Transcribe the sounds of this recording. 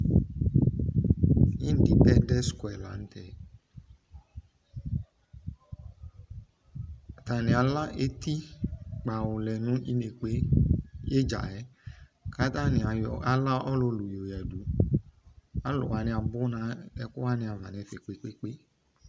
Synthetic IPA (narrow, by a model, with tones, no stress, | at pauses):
ɲĩ˦n̩˨di˨tɛ˧dɛ˦skwɛ˨la̰˨˦n̩˦tɛ˨ | a˨t̪a˨nĩ˨a˨la˦ʔe˦t̪i˦k͡pa˨wʊ˨lɛ˨nũ˨˦ʔi˧ne˨k͡pe˦je˦d͡ʒa̰˨ɛ˨˦ka˦t̪a˦nĩ˨a˨ja˨la˦ʔɔ˦lo˧lu˨jo˨jɛ˨du˨˦ | a˦lʊ̰˨wa˨nĩ˧a˨bʊ˦nã˨˦ɛ˨˦ku˦wa˦nĩ˧a˨va̰˨ne˨˦fe˨k͡pe˨k͡pe˦k͡pe˦